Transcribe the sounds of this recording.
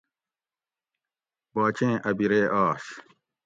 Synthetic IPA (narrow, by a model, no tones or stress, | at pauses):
baːt͡ɕẽːʔɐbiɾeːʔaːɕ